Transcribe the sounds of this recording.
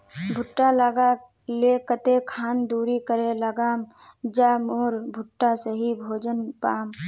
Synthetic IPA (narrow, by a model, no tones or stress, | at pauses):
bʱʊʈːalaɡa | lekət̪ekʰaːnd̪uːɾikəɾeləɡaːmd͡ʒamoːɾbʱʊʈːasəɦibʱoːd͡ʒənpaːm